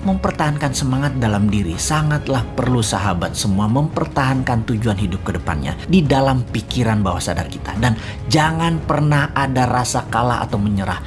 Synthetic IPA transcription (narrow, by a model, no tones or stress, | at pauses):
məmpərt̪aɦankansəmaŋat̪̚dalamdiɾḭsaŋat̪lahpərlusaɦabat̪̚səmuaməmpərt̪aɦankant̪ud͡ʒuanɦidʊp̚kədəpa̰nɲa̰didalampikiɾanbawa̰hsada̰rkit̪a̰dan | d͡ʒaŋanpərnahadarasakalaha̰t̪awməɲəɾa̰h